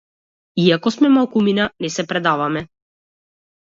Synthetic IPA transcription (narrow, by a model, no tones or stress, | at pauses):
iakɔsmɛmalˠkuminanɛsɛpɾɛd̪avamɛ